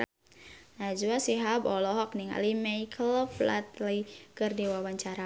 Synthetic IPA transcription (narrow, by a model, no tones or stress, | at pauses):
nad͡ʒuasiɦabɔlɔɦɔkniŋa̰limaikʰəlfla̰t̪likərdiwawaɲt͡ʃaɾa